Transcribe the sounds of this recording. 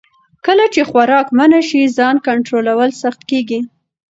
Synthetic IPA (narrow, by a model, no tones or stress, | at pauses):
kəlat͡ʃexwaɾɑkmanaʃizɑnkaɳʈɾolawəlsaxt̪̚keɡi